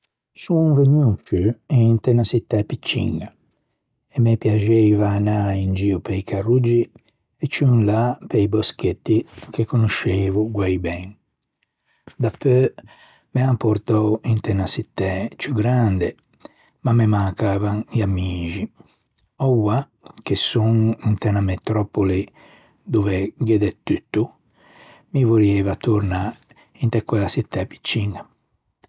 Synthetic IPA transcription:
sunveɲːut͡ʃːyint̪ɛnasit̪ːɛpit͡ʃːḭŋɡa | ɛmepjad͡ʒɛvanaind͡ʒiːupeikarːud͡ʒi | ɛt͡ʃːunlapejbosket̪ːik̟ekːonoʃːeːvuɡwajbɛn | d̪apːø | meampoɾt̪ɔint̪ɛnasit̪ːɛt͡ʃuɡɾand̪e | mamːemakaːvaniamiːʒi | ɔwa | kesːuŋint̪ɛnamet̪ɾɔpoli | d̪uvɛɡɛd̪ɛt̪ːyt̪ːu | mivoɾɛvat̪uɾna | int̪ɛkːwɛlasit̪ːɛpi̥t͡ʃːiŋɡa

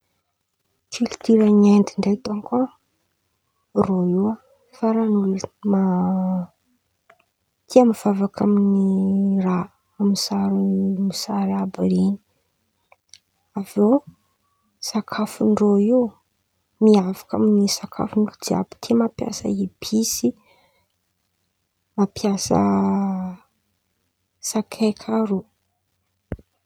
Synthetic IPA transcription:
kilt̪iɾanend̪iɳɖ͡ʐet̪onka | roiwə | faɾanuluma | t̪ʰiamiv̥avakʰaminira | amisaɾumisaɾabɾeni̥ | avo | sakʰafuɳɖ͡ʐoi | miavḁka̰minisakʰa̰funɖ͡ʐud͡ʒia̰bu̥t̪ʰimapja̰sə̰ibisi | mapjasə̰ | sakʰekʰaɾu

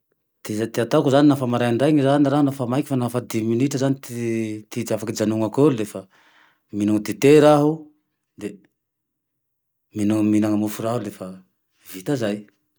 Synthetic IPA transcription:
d̪̥ezat̪eat̪akuzaninafamaɾajaɳɖ͡ʐajŋizaninaɾaɦunafamajkʲi̥fanafad̪iminiʈ͡ʂəzanit̪it̪it̪iafakid͡zanuŋakolulefa | minaŋəd̪et̪eɾaɦu | d̪e | minuminaŋamufuɾaɦulefə | vit̪azaj

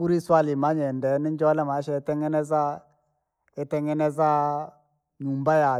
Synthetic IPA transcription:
uɾiswalimaɲɛndɛnind͡ʒɔlɛmaɛʃɛtɛŋɛnɛza | ɛtɛŋɛnɛza | numbaja

